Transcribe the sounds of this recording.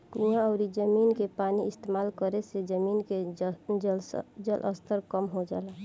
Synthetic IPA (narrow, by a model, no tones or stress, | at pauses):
miãəʊɾid͡ʒəminkepaniɪst̪emalkəɾesed͡ʒəminked͡ʒd͡ʒəlʔə̰st̪ʰəɾkəmɦod͡ʒa̰ːla